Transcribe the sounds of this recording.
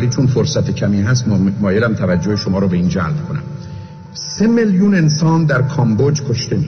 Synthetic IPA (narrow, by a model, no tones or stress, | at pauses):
liːt͡ʃʰonfoɾsæt̪ʰecʰæmiːɦæst̪mɒːjelæmt̪ʰævæd͡ʒːoheʃomɒːɾɔːbe̞iːnd͡ʒæ̰lb̥kʰonæ̰m | se̞meljuːne̞nsɒːnd̪æɾkʰɒmbod͡ʒkʰoʃt̪e̞mi